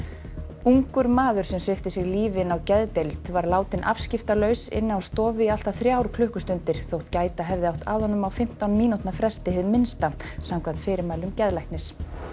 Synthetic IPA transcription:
uŋkʏɾmaːðʏɾ̥sɛmsvɪft̪ɪsɪɣliːvɪnawcɛðt̪ejlt̪vaɾlaːwt̪ɪnʔa̰v̥scɪft̪alœɥsɪ̰nːɪawst̪ɔːvɪial̥t̪aθɾjaːwɾ̥kʰlʏhkʏst̪ʏnt̪ɪɾ̥θowht̪caːjt̪aɦɛvðɪawht̪a̰ðhɔnʏmawfɪm̥t̪awnmiːnut̪nafɾɛst̪ɪhɪðmɪnst̪asamkʰvam̥t̪fɪːɾɪɾmaːjlʏmcɛðlajhknɪs

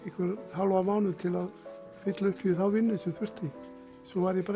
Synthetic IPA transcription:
ɛhkvɛɾθawlɔɣamaːwnʏɾt̪ʰɪlað | fɪt̪laʏhpʰːiðɪθawvɪnːʏsɪθvʏr̥t̪ɪ | sɔvaɾɪpɾ

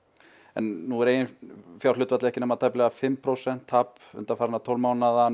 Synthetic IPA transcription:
ɛ̰nːuɛɾeːjɪnfjawrlʏt̪vat̪lɪɛhcɪnɛmat̪ʰajplɛɣafɪmːpʰɾowsɛn̥t̪hap | ʏ̰nt̪afaːɾɪnat̪ʰowlmaːwnaða

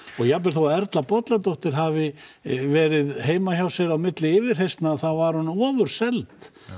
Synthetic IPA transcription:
ɔɣjaplɪlθowaɛɾt̪lapɔt̪lat̪owht̪ɪɾ̥ɦavɪvɛːɾɪðɦeːjmaçawsɛɾawmɪt̪lɪɪːvɪɾ̥ɦejst̪naθawvaɾ̥hunɔːvʏɾ̥sɛlt̪

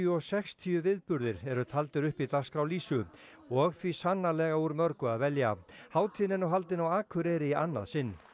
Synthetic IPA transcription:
ʏɔsɛxst̪ʰiʏvɪðpʏɾðɪɾɛɾʏt̪ʰalt̪ɪɾʏhpit̪laskɾawliːsʏ | ɔɣθvisanːalɛɣauɾmœɾkʏaðvɛlja̰haːwt̪ʰɪnɪnɔwɦalt̪ɪnawaːkʰʏɾɛɾɪia̰nːa̰ðsɪnː

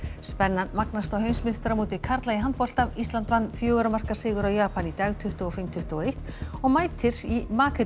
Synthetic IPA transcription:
spɛnːanmaknast̪awɦœɥnsmɪnst̪ɾamut̪ɪkʰaɾt̪laiɦant̪̚pɔl̥t̪amist̪lant̪vanːfjœːɣʏɾamar̥kasɪːɣʏɾawjaːpanit̪aɣt̪ʰʏht̪ʏɔfɪm̥t̪ʰʏht̪ʏɔejht̪nɔɣmaːjt̪ʰɪɾ̥imaːkʰɛ

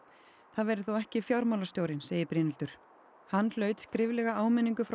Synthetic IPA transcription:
θaðvɛɾɪθowɛhcɪfjawɾmawlast̪jowɾɪnseːjɪpɾɪːnɪlt̪ʏɾ̥ | hanːl̥œːɥt̪skɾɪvlɛɣaaːwmɛnːiŋkʏfɾa

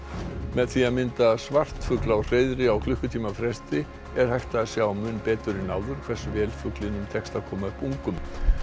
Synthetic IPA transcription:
mɛðθiaðmɪnt̪asvar̥t̪fʏklawr̥eːjðɾɪawkʰlʏhkʏt̪ʰiːmafɾɛst̪ɪ | ɛɾ̥hajht̪aːsjawmʏnpɛːt̪ʏɾɪnaːwðʏɾ̥kʰv̥ɛsʏvɛːlfʏklɪnʏmt̪ʰɛkst̪aðkʰɔːmaʏhpuŋkʏm

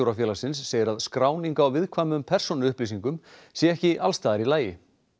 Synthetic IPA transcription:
owɾafjɛːlasɪnsːeːjɪɾaðskɾaːwniŋkawvɪðkʰvaːmʏmpʰɛr̥sɔnʏhplisiŋkʏmsjɛɛhcɪʔalst̪aːðaɾilaːjɪ

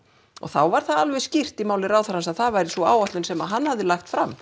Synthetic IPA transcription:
ɔ̰ɣθawvaɾ̥θaalvɛscir̥t̪imaːwlɪɾaːwθaɾhansaðθavajɾɪsvɔa̰ːwaht̪lʏnsɛmaðɦanːhavðɪlaxt̪fɾamː

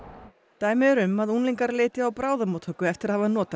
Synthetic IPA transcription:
t̪aːjmɪɛɾʏmaðunliŋkaɾleːt̪ɪawpɾaːwðamoːt̪hœːkːʏɛft̪ɪɾaðhavanɔːt̪a

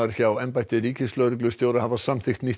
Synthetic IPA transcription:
aɾ̥çawɛnpajht̪ɪɾiːcɪslœːɾʏk̬lʏst̪joːwɾahavḁsamθɪxt̪ni

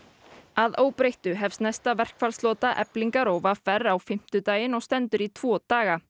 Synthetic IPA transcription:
aðoːwpɾejht̪ʏɦɛvsnajst̪avɛr̥kfɛɾlslɔːt̪aʔɛ̰pliŋkaɾowvafɛrawfɪm̥t̪ʏt̪aːjɪnɔɣst̪ɛnt̪ʏɾit̪ʰv̥ɔːt̪aːɣa

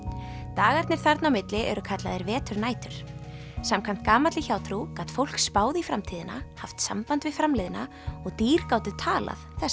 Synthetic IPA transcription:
t̪aːɣaɾt̪nɪɾ̥θaɾt̪nawmɪt̪lɪʔɛ̰ɾʏkʰat̪laðɪɾvɛːt̪ʏɾnaːjt̪ʏɾ̥ | samkʰam̥t̪̚kaːmat̪lɪçaːwt̪ʰɾukat̪fowl̥kspaːwðɪifɾamt̪ʰiːðɪna̰haft̪sa̰mpant̪vɪðfɾamlɪðɪna | ɔɣt̪iːɾ̥kaːwt̪ʏt̪ʰaːla̰ðθɛs

